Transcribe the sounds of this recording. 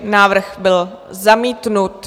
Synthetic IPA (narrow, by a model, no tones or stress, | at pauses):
naːvr̩xbɪl | zamiːt̪nut̪